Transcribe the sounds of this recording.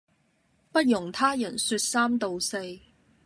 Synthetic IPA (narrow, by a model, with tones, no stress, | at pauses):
pɐ˥t̚jʊ˨˩ŋt̪ʰaː˥jɐ˨˩nsy˧t̚saː˥mt̪o˨wse˧j